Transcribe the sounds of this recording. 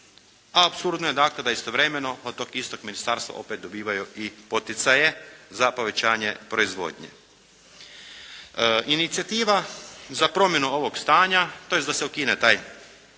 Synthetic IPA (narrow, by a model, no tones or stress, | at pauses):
aːpsuɾd̪nojed̪aːkled̪aist̪o̞ʋɾemeno̞od̪t̪ːokist̪o̞kminist̪aɾst̪ʋa̰ʔo̞peːt̪̚d̪o̞biːʋajuipo̞t̪it̪saje̞zapo̞ʋe̞t͡ɕaːɲe̞pɾo̞izʋo̞̰ːd̪ɲḛ | init̪sijat̪iːʋazapɾo̞mje̞nuo̞ʋo̞ɡst̪aːɲat̪ojesd̪aseukinet̪aːj